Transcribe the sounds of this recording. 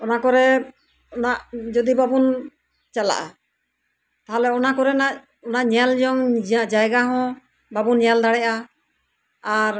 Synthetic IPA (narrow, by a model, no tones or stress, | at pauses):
ɔnakɔɾɛ | ɔnaʔd͡ʒɔd̪ibabun | t͡ʃala̰ʔa | t̪aɦalɛɔnakɔɾɛnaʔ | ɔnaʔɲald͡ʒɔŋd͡ʒaʔd͡ʒajɡaɦɔ̃ | babunɲald̪aɽɛʔa | aɾ